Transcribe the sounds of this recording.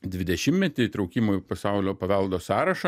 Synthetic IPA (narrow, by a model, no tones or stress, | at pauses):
d̪ʲʋʲɪd̪ʲɛʃʲɪmmʲɛt̪ʲɪt̪ɾɒʊkʲiːmoːjpɐsɑʊlʲoːpɐʋʲɛlˠd̪oːsɑːɾɐʃɐ